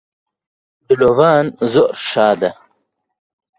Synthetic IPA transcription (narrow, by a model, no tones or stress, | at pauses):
d̪ulovaːnzoɾʃaːd̪ɐ